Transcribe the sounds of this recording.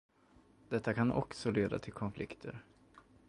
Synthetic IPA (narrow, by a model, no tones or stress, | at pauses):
d̪̥ɛt̪ːakʰanʔɔ̰ksɔleːd̪a̰t̪ʰɪlkʰɔnflɪkt̪ʰə̰ɾ